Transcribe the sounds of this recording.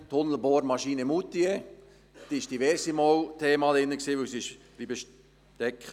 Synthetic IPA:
t̪hʊnl̩boːɾmɑʃiːnəmut̪ːie | d̥iːɪʃd̥iʋɛɾsimoːwt̪ʰeːmɑlɪnːəksiːʋɵwsɪʃ | liːbəʃ | tɛkχ

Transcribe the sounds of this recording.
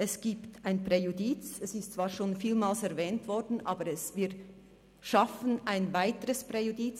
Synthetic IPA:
ʔɛsɡ̥iːptʰaɪnpʁ̥ejudiːt͡sɛsɪstt͡sv̥aːɐʃoːnfiːlmaːlsɛʁvɛːntv̥ɔʁdn̩ʔaːbəɾɛsviː | ʃafənʔaɪnvaɪtəʁəspʁ̥ejudiːt͡s

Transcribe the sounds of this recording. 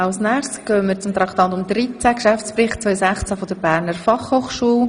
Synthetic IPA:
ɑlsnæːχskœːənmɪːɾt͡sʊmt̪ɾɑkʰtɑːtʊmd̪ɾit͡sækʃæft͡spɾɪχt̚t͡sʋvœjsæχt͡sæfɔdəɾbæːɾnəɾfɑχhoːχʃuːl

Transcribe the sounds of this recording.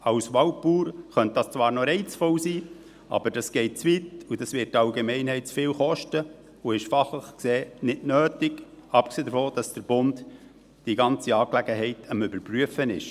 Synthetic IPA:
ɑwsʋɑwpuːɾχœnt̚d̥ɑst͡svɑːɾnɔɾɛɪt͡sfɔlsiː | ʔɑ̰b̥əɾdɑsɡ̥ɛɪt̚t͡svitudɑsʋɪt̚ːɑwɡemɛɪnɦɛɪtt͡sfɪːlχɔʃtə | uɪʃfɑχləχkseːnɪdnøːtɪɡ̥ɑp̚kseːdəɾfoːd̥ɑsd̥əɾb̥ʊnt | d̥iɡɑnt͡siɑːklæɡ̥əɦɛɪtʰəmʏbəɾpryəfənɪʃ

